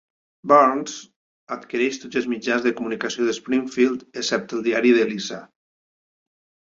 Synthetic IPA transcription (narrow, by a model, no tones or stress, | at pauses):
baɾnz̥ | at̪kiɾɛʃt̪ot̪zəlˠzmid͡ʒanzðəkumunikasioðəspɾiŋfilˠd̪eksɛp̚t̪əlˠd̪iaɾiðəlisa̰